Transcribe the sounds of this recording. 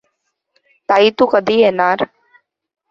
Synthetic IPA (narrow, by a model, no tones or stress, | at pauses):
t̪aːiːt̪uːkəd̪ʱiːeːnaːɾ